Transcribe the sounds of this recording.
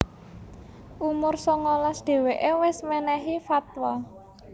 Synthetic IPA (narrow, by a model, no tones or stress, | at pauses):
ʔumʊrsɔŋɔlɔsd̪̥e̤weʔewɪsmɛnɛɦifat̪wa